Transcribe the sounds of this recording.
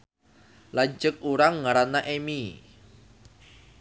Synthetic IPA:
laɲd͡ʒʊk̚uɾaŋːaɾanaʔemi

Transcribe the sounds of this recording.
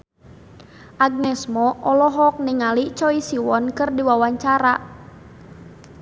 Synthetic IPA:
ʔaɡ̚nɛsmɔʔɔlɔɦɔk̚niŋalit͡ʃɔisiwɔnkɨrdiwawaɲt͡ʃaɾa

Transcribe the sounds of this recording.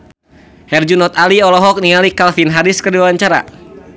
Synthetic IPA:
hɛrd͡ʒunɔt̪aliɔlɔɦɔk̚niŋalikalfinɦaɾiskərdiawaɲt͡ʃaɾa̰

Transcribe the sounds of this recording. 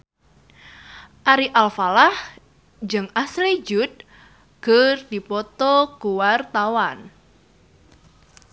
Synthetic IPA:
ʔaɾiʔalfalah | d͡ʒɨŋaslid͡ʒut̪̚ | ɡ̥ərd̥ipɔt̪ɔkuwart̪awan

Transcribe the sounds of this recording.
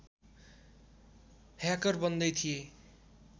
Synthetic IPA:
hjakʌrbʌnd̪ʌjt̪ʰije

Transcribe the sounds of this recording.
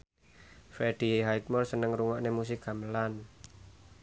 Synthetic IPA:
feɖ̥i̤ɦajk̚mɔlsənəŋɾuŋaʔnemus̬ɪkɡa̤məlan

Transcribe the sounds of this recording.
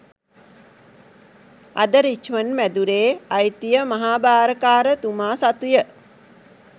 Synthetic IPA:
a̰d̪əɾit͡ʃʋənmæd̪uɾeːajt̪ijəmaɦaːbaːɾəkaːɾət̪umaːsat̪ujə

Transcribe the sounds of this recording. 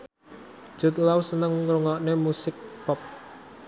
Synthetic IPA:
ʒ̥ʊ̤t̪̚lawsənəŋɾuŋɔʔnemusɪk̚pɔp̚

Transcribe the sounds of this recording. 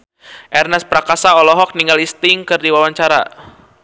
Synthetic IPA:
ʔɛrnɛspɾakasaɔlɔɦɔk̚niŋɡalist̪ɪŋkɨrdiwawaɲt͡ʃaɾa̰

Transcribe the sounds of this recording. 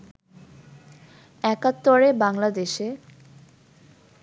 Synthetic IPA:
ɛkat̪ːoɾebaŋlad̪eʃe

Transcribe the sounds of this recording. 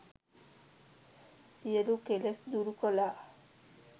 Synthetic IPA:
sielukelesd̪uɾukɔla

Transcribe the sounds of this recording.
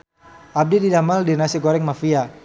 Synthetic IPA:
ʔab̚dididamaldinasiɡoɾɛŋmafia

